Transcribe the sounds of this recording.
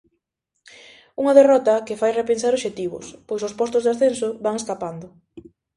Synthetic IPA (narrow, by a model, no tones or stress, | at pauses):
uŋɐðerɔt̪ɐkɪfajrepens̬aɾoʃet̪iβ̞ʊ̰spojsʊspɔst̪ʊzðasθensʊβaŋeskapand̪ʊ